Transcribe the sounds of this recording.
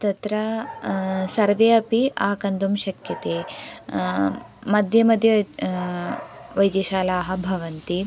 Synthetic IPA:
t̪ɐt̪ɾɐ | sɐɾʋeːɐpiʔaːkɐnd̪umʃɐkʰjɐt̪eː | mɐd̪ʱjɐmɐd̪ʱjɐ | ʋɐjd̪jɐʃaːlaːɦɐ̆bʱɐʋɐnt̪i

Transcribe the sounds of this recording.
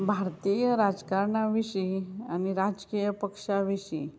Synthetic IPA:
bʱaɾt̪ijəɾad͡zkaɾɳaʋiɕianiɾad͡zkijəpəkʂaʋiɕḭ

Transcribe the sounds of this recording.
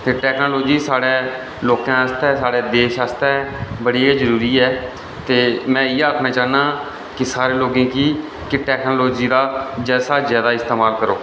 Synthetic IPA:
t̪eːʈɛːknoːloːd͡ʒiːsaːɽeː | loːkãːəst̪ɛːsaːɽeːd̪eːʃast̪ɛːbəɽiːeːzəɾuːɾiːɛː | t̪eːmɛ̃ːiːaːkʰnaːt͡ʃaːnãː | kɪsaːɾeːloːɡẽːkiː | kɪʈɛːknoːloːd͡ʒiːd̪aːd͡ʒɛːsaːzjaːd̪aːɪst̪eːmaːlkəɾo̰ː

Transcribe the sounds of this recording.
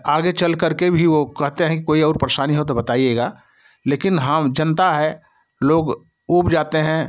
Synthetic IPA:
aːɡet͡ʃɐlkəɾkebʱiʋokɛɦt̪eɦɛ̃kikoːiɔːɾpɾeʃaːniɦot̪̬obɐt̪aːijeːɡaː | leːkɪnɦə̃md͡ʒɐ̃nt̪aɦɛ | loːɡ | uːbd͡ʒaːt̪eɦɛ̃

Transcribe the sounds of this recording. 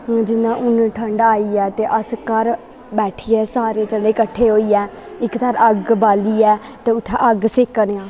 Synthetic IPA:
d͡ʒɪnãːʔʊnʈʰəɳɖaːiːɛːt̪eːʔəskəɾ | bɛːʈʰiːɛːsaːɾeːt͡ʃəɖeːkəʈʰːeːɦoːiːɛː | ɪkt̪əɾəɡbaːliːɛː | t̪eːʊt̪ʰːɛʔəɡsɪkənãː

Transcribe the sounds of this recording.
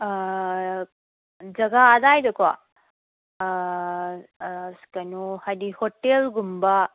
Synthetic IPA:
d͡ʒɐɡaad̪aːjd̪ɐkʋa̰ | skɐnuhɐdihoʈːelɡumba

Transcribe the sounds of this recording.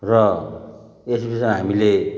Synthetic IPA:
rʌ | esbismɦamile

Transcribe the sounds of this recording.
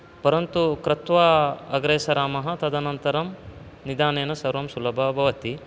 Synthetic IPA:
pɐɾɐnt̪ukɾɐt̪ʋaːɐɡɾɐjɐsɐɾaːmɐɦɐ̆t̪ɐd̪ʱɐnɐnt̪ɐɾɐm | nid̪aːneːnɐsɐɾʋɐmsulɐbʱɐbʱɐʋɐt̪i

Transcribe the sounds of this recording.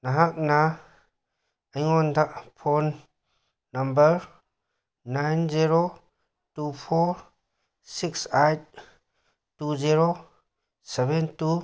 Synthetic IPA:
naɦak̚na | əjŋɔndaʔpʰonː | ambəɾ | najnziɾo | tupʰɔɾ | siksajt̚ | tuziɾo | sebentu

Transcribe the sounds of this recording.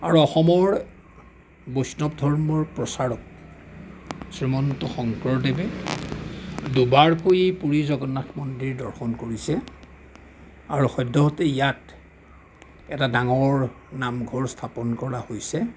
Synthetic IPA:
aɹuɔxɔmɔɹ | bosnɔbdʱɔɹmɔɹpɹɔsaɹɔk̚ | sɹimɔntɔxɔŋkɹɔɹdebɛ | dubaɹkojipuɹizɔɡɔnakmɔndɹiɹdɔɹxɔnkoɹisɛ | a̰ɹuxɔjdːɔɦɔtɛijat | ɛtadaŋɔɹ | namɡʱɔɹstʰapɔnkɔɹahojsɛ

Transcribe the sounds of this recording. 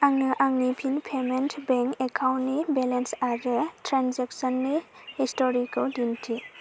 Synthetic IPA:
aŋnɐʔaŋnipʰinpʰementʰbeŋkekʰawntnibelensaɾɯtɾanzek̚sɔnːi | histɔɾikaldintʰi

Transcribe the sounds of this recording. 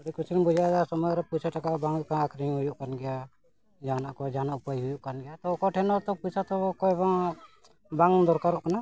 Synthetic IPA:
ɔɽikut͡ʃʰinbud͡ʒad̪asɔmɔjɾɛpusʰaʈakaʔbaŋkaakʰɾiŋɦujuʔkanɡɛja | d͡ʒaːnaʔkɔd͡ʒanaʔupajɦujuʔkanɡɛjat̪ɔokɔʈʰɛnɔt̪ɔpusʰat̪ɔɔkɔɛbaŋ | baŋɡd̪ɔɾkaɾɔʔkana

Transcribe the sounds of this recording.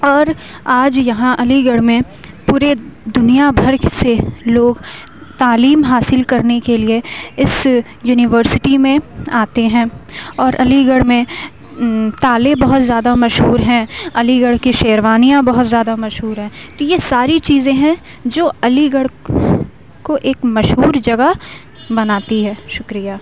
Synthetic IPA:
ɔːɾ | aːd͡ʒjɐɦãʔɐliɡəɽmẽ | puːɾed̪ʊnijabʱɐɾseloːɡ | t̪aːliːmɦaːsɪlkɐɾnekelieɪs | juːnɪʋəɾsɪʈimẽaːt̪eɦɛ̃ːɔːɾʔɐliɡəɽmẽ | t̪aːlebɐɦʊt̪zjaːd̪amɐʃɦuːɾɦɛ̃ɐliɡəɽkiʃeːɾʋaːnijãbɐɦʊt̪zjaːd̪amɐʃɦuːɾɦɛ̃ːt̪ojesaːɾit͡ʃiːzẽɦɛ̃ | d͡ʒoːɐliɡəɽ | koʔeːkmɐʃɦuːɾd͡ʒɐɡə | bɐnaːt̪iɦɛːʃʊkɾijaː

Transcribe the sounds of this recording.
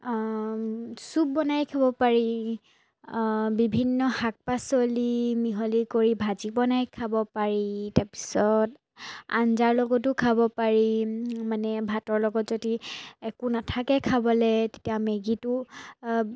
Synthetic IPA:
sup̚bɔnajkʰabɔpaɹi | bibʱinːɔhak̚pasɔlimiɦɔlikoɹibʱazibɔnajkʰabɔpaɹitaɹpi̥sɔt | a̰nzaɹlɔɡɔt̬ʊkʰabɔpaɹimanɛbʱatɔɹlɔɡɔtzodiɛkunatʰakɛkʰabɔlɛte̥tiameɡitʊ

